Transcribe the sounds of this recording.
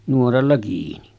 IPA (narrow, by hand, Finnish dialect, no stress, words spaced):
nuorɑlːɑ kiːni